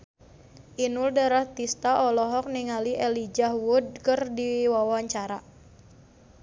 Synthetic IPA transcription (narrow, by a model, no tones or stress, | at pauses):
ʔinʊldaɾaht̪ist̪aʔɔlɔɦɔk̚niŋaliʔɛlid͡ʒahwʊd̚kərdiwawaɲt͡ʃaɾa